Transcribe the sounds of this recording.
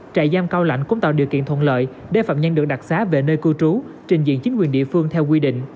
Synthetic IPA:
t͡ɕa̰ː˧˨jzaː˧mkaː˧wla̰˧˨jŋ̟kʊ̰˧˥ŋ͡mt̪a̰ː˧˨ɗḭ˧˨əkḭ˧˨ənt̪ʰə̰˧˨nlə̰ː˧˨j | ɗe˧˩fa̰ː˧˨˩mɲə˧nɗɨ˨˩ək̚ɗa˨˩t̚saː˨˦˥ve˨˩nəː˧jkɨ˧t͡ɕu˨˦ | t͡ɕï˨˩ŋ̟zḭ˧˨ənt͡ɕi˨˦ŋ̟kwi˨˩ənɗḭ˧˨əfɨ˧əŋt̪ʰɛ˧wk̬wi˧ɗḭ̈˧˨ŋ̟

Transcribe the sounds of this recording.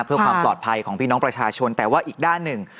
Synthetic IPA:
pʰɯ˥˩əkwaː˧plɔː˨˩t̪̚pʰa˧jkʰɔː˩˦pʰi˥˩nɔ˦˥pɾa˧t͡ɕʰaː˧t͡ɕʰo˧nt̪ɛː˨˩waː˥˩ʔiː˨˩k̚daː˥˩nːɯ˨˩ŋ

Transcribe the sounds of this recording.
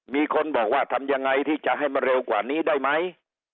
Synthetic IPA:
miː˧kʰo˧nbɔː˨˩k̚waː˥˩t̪ʰa˧mja˧ŋːa˧jt̪ʰiː˥˩t͡ɕa˨˩ʔɦa˥˩jma˧nɾe˧wkwaː˨˩niː˦˥daː˥˩jma˦˥j

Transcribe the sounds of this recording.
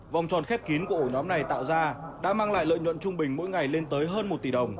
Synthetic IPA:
va˨˩wŋ͡mt͡ɕɔ˨˩nxɛ˦˥p̚ki˨˦nku˧˩ʔo˧˩ɲɔ˨˦mna˨˩jt̪a̰ː˧˨wzaː˧ɗa̰ː˧˥maː˧ŋla̰ː˧˨jlə̰˧˨jɲwə̰˧˨nt͡ɕʊ˧ŋ͡mɓï˨˩ŋ̟mo̰˧˥jŋa˨˩jle˧nt̪əː˨˦jɦəː˧nmo˨˩t̚t̪i˧˨˩ə˨˩wŋ͡m

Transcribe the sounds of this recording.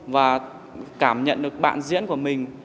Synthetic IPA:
vaː˨˩ | kaː˧˩mɲə̰˧˨nɗɨ˨˩ək̚ɓa̰ː˧˨nzḭ˧˥ənku˧˩əmï˨˩ŋ̟

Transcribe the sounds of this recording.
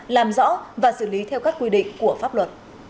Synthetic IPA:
laː˨˩mzɔ̰˧˥vaː˨˩sɨ˧˩li˨˦t̪ʰɛ˧wkaː˦˥kːwi˧ɗḭ˧˨ŋ̟ku˧˩əfaː˦˥p̚lwə˨˩t̚

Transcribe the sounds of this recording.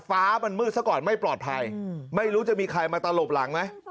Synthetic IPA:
faː˦˥ma˧nmɯː˥˩sa˥˩wkɔː˨˩nma˥˩jplɔː˨˩t̪̚pʰa˧jma˥˩jɾuː˦˥t͡ɕa˨˩miː˧kʰa˧jmaː˧t̪a˧lo˨˩p̚la˩˦ŋma˦˥j

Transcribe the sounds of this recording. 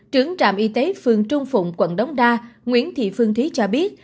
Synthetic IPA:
t͡ɕɨ˨˧˩əŋt͡ɕa̰ː˧˨mʔi˧t̪e˨˦fɨ˨˩əŋt͡ɕʊ˧ŋ͡mfʊ̰˧˨ŋ͡mkwə̰˧˨nɗə˨˦wŋ͡mɗaː˧ŋwḭ˧˥ənt̪ʰḭ˧˨fɨ˧əŋt̪ʰi˨˦t͡ɕɔ˧ɓi˦˥ət̚

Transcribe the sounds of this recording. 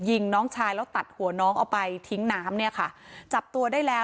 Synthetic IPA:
ji˧ŋnɔː˦˥ŋt͡ɕʰaː˧jlɛː˦˥wt̪a˨˩t̪̚hu˨˩˦ɐnɔː˦˥ŋʔa˧˩wpa˧jt̪ʰi˦˥ŋnaː˦˥mni˥˩ɐkʰa˥˩t͡ɕa˨˩p̚t̪u˧ɐdaː˥˩jlɛː˦˥

